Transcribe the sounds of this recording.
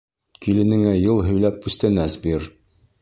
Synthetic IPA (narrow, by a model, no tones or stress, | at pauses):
kilɘ̆nɘ̆ŋæjɤlˠɦɵ̆jlæp̚ʉst̪ænæsbiɾ